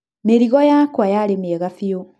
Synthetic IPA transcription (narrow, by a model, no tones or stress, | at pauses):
meɾiɣɔjakwajaɾemɛɣafjo